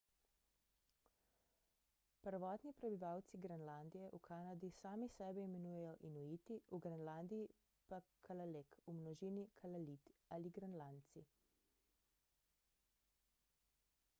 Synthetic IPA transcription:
pəɾʋɔːt̪nipɾɛbiʋawt̪siɡɾɛnland̪ijɛʔukʰaːnad̪isaːmisɛbɛimɛnuːjɛjɔʔinujit̪iuɡɾɛnland̪ii | pakʰalalekumnɔʒiːnikʰalalit̪aliɡɾanlant̪si

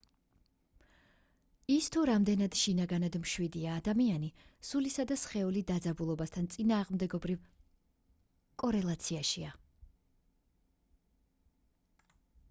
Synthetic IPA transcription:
ist̪ʰuɾamd̪ɛnad̪ʃinaɡanad̪mʃwid̪iaːd̪amianisulisad̪asχɛulid̪ad̪zabulˠɔbast̪ʰant̪sʼinaːʁmd̪ɛɡɔbɾiv | kʼɔɾɛlˠat̪sʰiaʃia

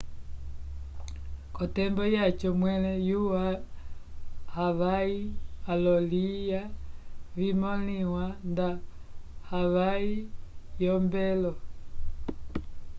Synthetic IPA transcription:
kɔtɛmbɔjat͡ʃɔmwɛlɛjua | haβaialɔlija | vimɔliwanda | haβaijɔmbɛlɔ

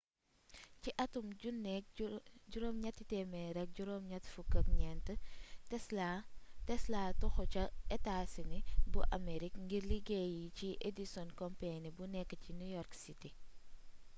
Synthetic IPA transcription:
ciʔɐtumunɛk̚ɟuɾɔmɲɐtːitɛmɛɾɛk̚ɟuɾɔmɲɐtfukɐk̚ɲɛntətɛatɛslaːtɔxɔcɐɛtasinibuʔa̰meɾikŋɡiɾliɡejiciʔedisɔnkɔmpenibunɛkːəcinujɔɾksiti

